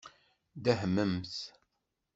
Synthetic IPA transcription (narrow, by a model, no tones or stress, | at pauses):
d̪æɦmːəmθ